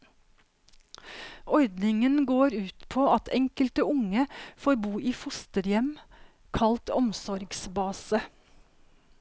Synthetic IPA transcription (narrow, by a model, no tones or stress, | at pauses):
ʔɔɾd̪nɪŋənɡoːɾʉːt̪pʰoːɑt̪ʰɛŋkəlt̪əʊŋəfoːɾbuːʔiːfʊst̪əɾjɛm | kʰɑlt̪ɔmsɔɾɡsbɑːsə